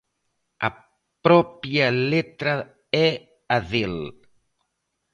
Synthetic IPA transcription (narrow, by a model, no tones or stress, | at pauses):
a̰ | pɾɔpjalet̪ɾa | ɛ | aðel